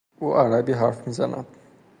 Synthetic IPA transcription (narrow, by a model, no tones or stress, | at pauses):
uːʔaɾabiːɦaɾfmiːza̰na̰d̪̥